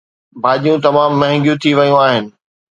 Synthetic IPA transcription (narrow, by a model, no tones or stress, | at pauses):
bʱaːʄijũt̪ɐmaːmːɐ̃ɦɪ̃ŋɡjũt̪ʰiʋɐjũaːɦɪnɪ̆